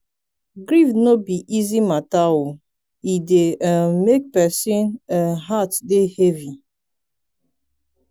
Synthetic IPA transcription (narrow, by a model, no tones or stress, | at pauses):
ɡɾifnobiʔizimatao | ideʔɛmek̚pɛsĩnəɦatdehevi